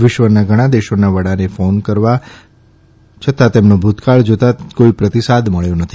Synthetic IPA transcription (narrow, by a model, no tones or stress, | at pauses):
ʋɪʃʋənaɡʱəɽ̃ãd̪eʃonaʋəɽanefonkəɾʋa | t͡ʃʰət̪at̪emnobʱut̪kaɭd͡ʒot̪akoipɾət̪isad̪məɭjonət̪ʰi